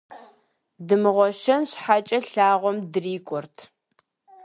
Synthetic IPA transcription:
dɨmɨʁʷɔʃɐnɕħat͡ʃʼɐɬaːʁʷɔmdɨriːkʷʼɔrtʰ

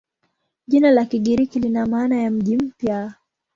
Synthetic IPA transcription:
ʄinalakiɠiɾikilinamaːnajam̩ʄim̩pja

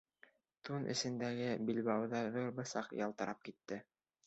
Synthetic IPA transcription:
t̪unʔɘ̰̆sɘ̆nd̪æɡɘbilβæwðɑðuɾbɤ̆sɑqjɑ̰lˠt̪ɤ̆ɾʔɑp̚kit̪ːɘ

